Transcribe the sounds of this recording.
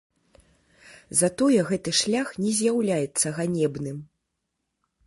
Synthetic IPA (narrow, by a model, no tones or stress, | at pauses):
zat̪ɔjɛɣɛt̪ɨʂlʲaxnʲɛzʲjawlʲajɛt̪sːɐɣanʲɛbnɨm